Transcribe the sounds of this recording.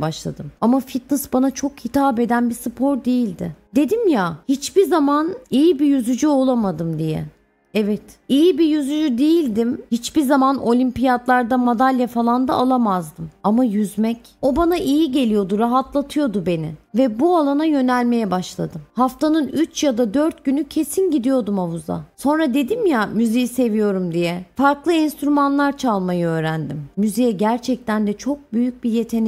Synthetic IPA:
baʃlˠa̰d̪ɯmamafit̪̚nɨsbanat͡ʃʰo̞khit̪ʰaːbe̞d̪ænbisɯpʰo̞ɾd̪e̞jilʲd̪ɪd̪e̞d̪imjahit͡ʃbiɾzamanijibijyzyd͡ʒyo̞lˠamad̪ɯmd̪ijɛ̰ | ɛvɛt̪ijibijyzyd͡ʒyd̪ejilʲd̪imhit͡ʃbiɾzamano̞lʲimpijad̪lˠaɾd̪amad̪alʲjafalˠand̪aalˠamazd̪ɯmamajyzmɛc | o̞banaʔijiɟe̞lʲijo̞d̪uɾaɦat̪lˠat̪ʰɯjo̞d̪ube̞nɪ̰vɛbualˠanajø̞nælʲme̞jɛbaʃlˠa̰d̪ɯmhaft̪anɯnyt͡ʃjad̪ad̪øɾt̪̚ɟynycʰe̞sinɟid̪ijo̞d̪umavuza̰so̞nɾad̪e̞d̪imjamyzijise̞vijo̞ɾumd̪ijɛfaɾklˠɯɛnst̪ɾymanlˠaɾt͡ʃʰalˠmajɯø̞ːɾænd̪imːyzijɛɟæɾt͡ʃʰɛc̚t̪ænd̪ɛt͡ʃʰo̞k̚byjyc̚bije̞t̪ʰe̞ni

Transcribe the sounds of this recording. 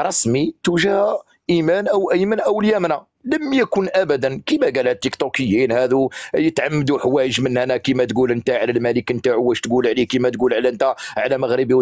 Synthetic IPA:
ɾˤɑsmit̪uʒhæ | ʔimænʔəwʔəjmənʔwəljæmnæ | ləmjækʊnʔæbæd̪ənkimæɡælhæt̪ːikt̪okəjːinhæd̪ujət̪ʕamːəd̪uħwæjəʒmənhænækimæt̪ɡulʔənt̪æʕlælmæləkənt̪aʕʊwæʃt̪ɡulʕlikimæt̪ɡulʕlæənt̪æʕlæməɣɾəbiw

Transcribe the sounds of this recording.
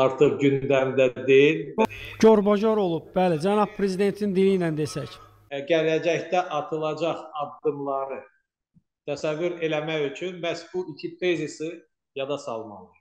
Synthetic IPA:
ɑɾt̪ʰɯʁɟynd̪æmd̪æd̪ejilɟo̞ɾbod͡ʒoɾo̞lˠub̥̚bælid͡ʒænɑb̥̚pʰːɾe̞zid̪e̞nt̪ʰinind̪ilijnænd̪e̞sæç | ɡæɾæd͡ʒæçd̪æʔɑt̪ʰɯlˠɑd͡ʒɑχɑd̪ːɯmlˠɑɾɯ | t̪ʰæsævːyɾe̞læmæjyt͡ʃʰynmæsbuicʰit̪ʰezisi | jɑd̪ɑsɑlˠmɑ̰lˠɯɾ

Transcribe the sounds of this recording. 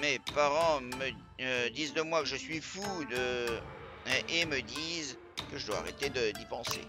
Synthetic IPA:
mepaʁɑ̃mə | d̪izd̪əmwakəʒəsɥifud̪ə | ʔeməd̪iz | kəʒəd̪wa̰ːʁḛt̪ed̪əd̪ipɑ̃sḛ

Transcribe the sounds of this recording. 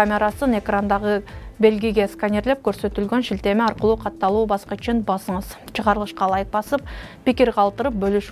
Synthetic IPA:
amʲe̞ɾasəne̞krand̪ɑʁəbe̞lɡʲijɡʲe̞skanʲerlʲˠep̚kʲʰɵɾsø̞t̪ylɡʲø̞nʃilt̪e̞mɪɑɾqəlˠuːqʰɑt̪ːɑlˠuːbɑsqɑt͡ʃɪnbɑsəɴəz̥t͡ʃʰəʁɑɾəlˠəʃqɑlˠɑjəq̚bɑsəp̚pʲɪkʲiɾqɑlˠt̪əɾəp̚bɵlyʃ

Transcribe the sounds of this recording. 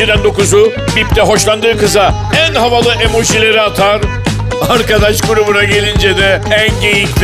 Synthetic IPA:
id̪ænd̪o̞kuzu | bipt̪ʰɛɦo̞ʃlˠand̪ɯːkɯza | ænɦavalˠɯʔe̞mo̞ʃilʲe̞ɾiat̪ʰaɾ | aɾkad̪aʃɡuɾubunaɟe̞lʲind͡ʒɛd̪ɛænɟejiʃlʲ

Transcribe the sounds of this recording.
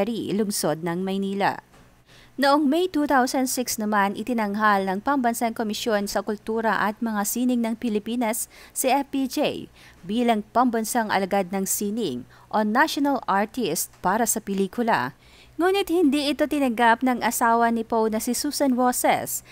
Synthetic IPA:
ɾilʊŋso̞d̪̚nɐŋmɐjniːlɐ̰ | nʊʔoŋmɛjt̪uːt̪awsɐnd̪sɪksnɐmanʔɪt̪ɪnɐŋɦalnɐŋpɐmbɐnsaŋkomɪʃjo̞nsɐkʊlt̪uːɾɐʔɐt̪̚mɐŋasiːnɪŋnɐŋpɪlɪpiːnɐsːɐʔɛfpid͡ʒej | biːlɐŋpɐmbɐnsaŋʔɐ̰lɐɡad̪̚nɐŋsiːnɪŋ | ʔo̞naʃonɐlaɹt̪ist̪̚paːɾɐsɐpɛliːkʊlɐ̰ | ŋuːnɪt̪̚hɪnd̪iʔɪt̪o̞t̪ɪnɐŋɡap̚nɐŋʔɐsaːwɐnɪpownɐsɪsusɐnɹosɛ̰s

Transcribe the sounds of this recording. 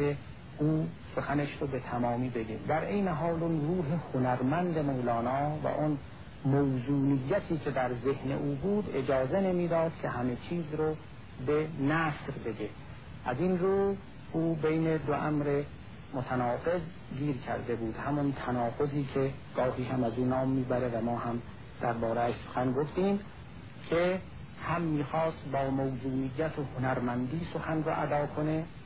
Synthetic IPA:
e | ʔuːsoxæneʃɾobe̞t̪ʰæmɒːmiːbeɡ̪ḭːmd̪æɾʔejneɦɒːlonruːɦehonæɾmænd̪emowlɒːnɒːvæ̰ʔon | mowzuːnijːæt̪ʰiːcʲʰed̪æɾze̞hnḛʔuːbuːd̪ed͡ʒɒːzene̞miːd̪ɒːd̪̥kʲʰehæme̞t͡ʃʰiːzɾo | benæːsɾbe̞d̪e | ʔæzinɾuːh | ʔuːbejned̪oʔæ̰mɾe | mot̪ʰænɒːɡe̞z | ɡiːɾkʰæ̰ɾd̪ebuːd̪̥hæmɔnt̪ʰænɒːɡoziːkʰeɡ̥ɒːɦiːhæmæzuːnɒːmːiːbæɾevæmɒːhæm | d̪̥æɾbɒːɾeæʃso̥xænɡoft̪iːm | kʲʰe | hæmːiːxɒːst̪bɒːmowzuːnijːæt̪ʰohonæɾmænd̪iːsoxænroʔæ̰d̪ɒːkʰone

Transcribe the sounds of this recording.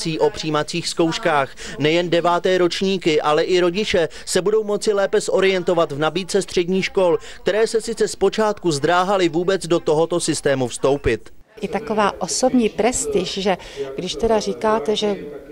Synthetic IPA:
t͡siːʔo̞pr̝̥iːmat͡siːxsko̞wʃkaːxnɛjɛndɛvaːt̪ɛːɾo̞t͡ʃɲiːkɪʔalɛʔɪɾo̞ɟɪt͡ʃɛ | sɛbudo̞wmo̞t͡sɪlɛːpɛsʔo̞ɾɪjɛnt̪o̞vat̪vnabiːt̪t͡sɛst̪r̝̥ɛdɟɲiːxʃko̞lk̚t̪ɛɾɛːsɛsɪt͡sɛspot͡ʃaːt̪kuzd̪ɾaːɦalɪvuːbɛt͡sdot̪oɦo̞t̪o̞sɪst̪ɛːmufst̪o̞wpɪt̪ | ʔɪt̪akovaːʔosobɲiːpɾɛst̪ɪʃʒɛ | ɡdɪʃt̪ɛdar̝iːkaːt̪ɛʒɛ

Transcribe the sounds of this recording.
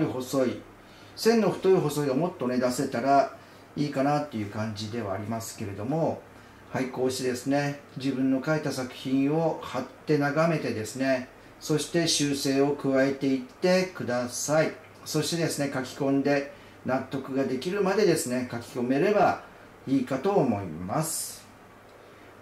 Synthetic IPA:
iho̞so̞i | sẽ̞nːo̞ɸɯ̟̥t̪o̞iɦo̞so̞iɡamo̞t̪ːo̞ne̞d̪ase̞t̪aɾa | iːkanat̪ːe̞jɯ̟ːkãɲ̟d͡ʑid̪e̞βa̰ːɾʲimasɨ̥ke̞ɾe̞d̪o̞mo̞ | haiko̞ːɕi̥t̪e̞d̪esɨne̞d͡ʑibɯ̟̃nːo̞kaet̪asakɯ̟̥çĩɰ̃o̞hat̪ːe̞naɡame̞t̪e̞d̪e̞sɨne̞ | so̞ɕi̥t̪e̞ɕɨːse̞ːo̞kɯ̟βaet̪e̞it̪ːe̞kɯ̟d̪asai | so̞ɕi̥t̪e̞d̪e̞sɨne̞kakʲi̥kõ̞nd̪e̞ | nat̪ːo̞kɯ̟ɡad̪e̞kʲiɾɯ̟mad̪e̞d̪e̞sɨne̞kakʲi̥ko̞me̞ɾe̞ba | iːkat̪o̞ːmo̞imasɨ̥

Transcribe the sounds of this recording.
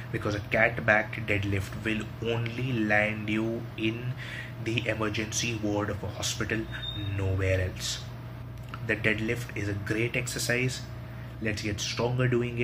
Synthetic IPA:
bɪkɔːzəkæʈbækɖɛɖlɪfʈʋɪl | õːnlilæ̃ɳɖju | ɪ̃n | d̪iʔeməɾd͡ʒə̃nsiʋəːɾɖɔʋəhɔspɪʈəlnoːʋeːɾɛls | d̪əɖɛɖlɪfʈɪzəɡɾeːʈɛksəsaɪz | lɛʈsɡɛʈsʈɾɔ̃ŋɡəɾɖuːɪ̃ŋɪ

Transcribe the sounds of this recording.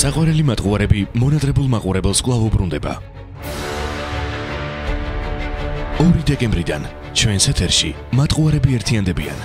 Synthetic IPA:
saqʼwaɾɛlimat̪ʼqʼuaɾɛbimɔnat̪ʼɾɛbulˠmaqʼuɾɛbɛlˠskʼwlˠavubɾund̪ɛba̰ | ɔɾid̪ɛkʼɛmbɾid̪a̰n | t͡ʃʰwɛnsɛt̪ʰɛɾʃḭ | mat̪ʼqʼuaɾɛbiɛɾt̪ʰiand̪ɛbḭa̰n

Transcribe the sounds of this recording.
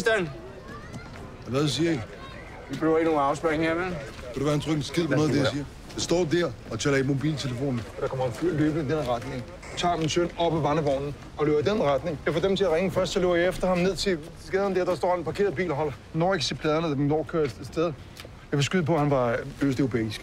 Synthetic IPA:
d̥æn | æʋædus̬iːɐi | ʋib̥ʁyʊ̰ɐinoɑ̈ʊsb̥æŋ̩heɐmen | kod̥eʋæhænt͡sʰʁœɡ̥n̩sɡ̥eð̰ˠpʰɔnɔːð̩ˠd̥eiːɐ | d̥esd̥ɒ̰ːdæɐ̰ | ɒt͡sʰɛlɐimo̝bḭːlt͡sʰeləfo̝̰ːnn̩d̥ɑ̈kʰɒ̽mɐhænfylø̰ːb̥əid̥enʁɑd̥ne̝ŋ | t͡sʰɑ̰̈ːminsønɒ̽b̥æʋɑnəʋɒʊ̰nn̩ | ɒ̽løʊɐd̥enʁad̥ne̝ŋjɑfɒːd̥emt͡sʰe̝æʁeŋəfɶɐsd̥sɒ̽le̝ʊɐjɑefd̥ɐhɑ̈mneðˠt͡sʰe̝d̥esɡenð̩ˠmd̥eɐd̥ɑsd̥ɔ̰ːenpʰɑ̈kʰe̝̰ɐðˠbḭːlɦɒ̽lɐ | nɔ̰ːeɡʰse̝̰pʰlɛðˠɐnəminːɒ̰ːkʰøɐd̥esd̥eð̞ˠ | jɑfesɡ̥yðˠəpʰɒ̽hænʋɑ̈øsd̥eʊopʰḛːsɡ̥

